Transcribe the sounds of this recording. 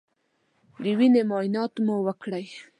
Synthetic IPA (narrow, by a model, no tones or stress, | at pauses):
d̪əwinemɑjnɑt̪muwəkɽaj